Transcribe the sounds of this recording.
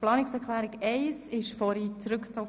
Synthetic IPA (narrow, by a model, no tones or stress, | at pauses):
plɑːnɪksɛɾklæːɾɪɡɛɪsɪʃfɔɾit͡sɾʏkt͡sɔ